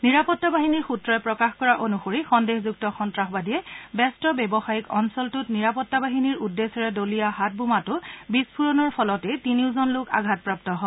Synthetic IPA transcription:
niɹapɔtːabaɦiniɹxutɹɔjɛpɹɔkaxkɔɹaʔonuxoɹixɔndexzuk̚tɔxɔntɹaxbadijɛbɛstɔbɛbɔxajikɔnsɔltʊtniɹapɔtːabaɦiniɹudːesɔɹɛdolijaɦat̚bʱumatʊbispʰuɹɔnɔɹpʰɔlɔtɛtiniʊzɔnlʊka̰ɡʱat̚pɹap̚tɔɦɔ

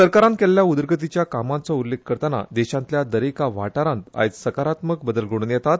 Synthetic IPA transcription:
səɾkaɾãnt̪̚kɛlːjaud̪əɾɡət̪̬it͡ɕjakamãnt͡sɔulːek̚ʰːəɾt̪əna̰d̪ɛɕãnt̪ljad̪əɾekaʋa̰ʈaɾãnt̪a̰jt͡ssəkaɾat̪mək̚bəd̪əlɡʱoɽ̃unjɛt̪at̪

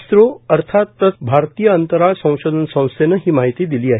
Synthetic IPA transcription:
sɾoəɾt̪ʰat̪ːət͡sbʱaɾt̪ijəənt̪əɾaɭsə̃w̃sod̪ʱənsə̃w̃senəɦiːmaɦit̪iːd̪iliːaɦi

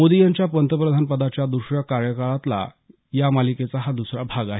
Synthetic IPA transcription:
mod̪ijaɲt͡ɕjapənt̪əpɾəd̪ʱanpəd̪at͡ɕjad̪uɾɕɾəkaɾjəkaɭat̪la̰ | jamaliket͡saɦad̪usɾabʱaɡaɦe

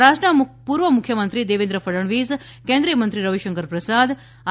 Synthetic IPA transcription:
ɾaːʃʈɾəpuːɾʋəmukʰːjɐmənt̪ɾid̪eːʋend̪ɾəfʰɐɾəɳʋiːz | kẽːnd̪ɾijəmənt̪ɾiɾɐʋiʃəŋkəɾpɾɐsad̪

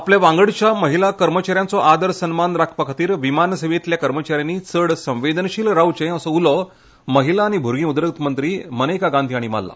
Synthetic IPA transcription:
apljaʋãŋɡəɽt͡ɕjaməɦilakəɾmət͡ɕaɾjant͡sɔʔad̪əɾsənmanɾakʰpakʰat̪iːɾʋimansəʋet̪ljakəɾmət͡ɕaɾjanːit͡səɽsə̃ʋʋed̪ənɕiːlɾawt͡ɕẽəsɔulɔ | məɦilaːɽ̃ibʱuɾɡĩud̪ɾək̚t̪mənt̪ɾiːmənəjkaɡãnd̪ʰʱiːaɽima̰lːa̰

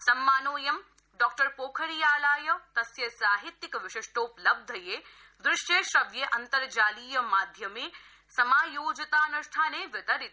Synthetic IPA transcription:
sɐmːaːnoːjɐm | ɖɔːk̚ʈɐɾpoːkʰɐɾijaːlaːjɐt̪ɐsjɐsaːɦit̪ːjikʋɪʃɪʃʈoːplɐb̚d̪ʱɐjeː | d̪ɾɪʂjeːʃɾɐʋjɐʔɐnt̪ɐɾd͡ʒaːliːjɐmaːd̪ʱjɐmeː | sɐmaːjoːd͡ʒɐt̪aːnɐʃʈʰaːneːʋɐt̪ɐɾit̪

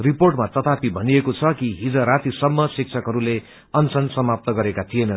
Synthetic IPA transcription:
riporʈmat̪ʌt̪apibʱʌnijekot͡sʰʌkiɦid͡zʌ̃ɾat̪isʌmːʌsik̚t͡sʰʌkɦʌɾule | ʌnsʌnsʌmap̚t̪ʌɡʌɾekat̪ʰijenʌn

